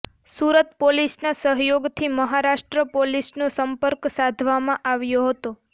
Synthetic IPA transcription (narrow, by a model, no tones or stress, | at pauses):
suɾət̪̚polisnasəɦjoɡt̪ʰiməɦaɾaʃʈɾəpolisnosəmpəɾksad̪ʱʋamãʔaʋjoɦət̪o